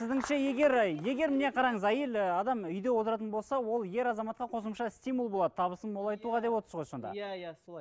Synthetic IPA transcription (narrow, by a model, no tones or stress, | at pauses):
sɪzd̪ɪŋʃeje̞ɡʲe̞ɾje̞ɡʲe̞ɾmɪne̞qʰɑɾɑɴəzæjelɑd̪ɑmʏjd̪e̞wot̪əɾɑt̪̬ənbo̞lˠsɑwo̞lˠje̞ɾɑzɑmɑt̪̚qɑqʰo̞səmʃɑsʲt̪ijmulˠbo̞lˠɑd̪ət̪ʰɑβəsənmo̞lˠɑjt̪uʁɑd̪e̞pwot̪əɾsəzʁojso̞nd̪ɑ̰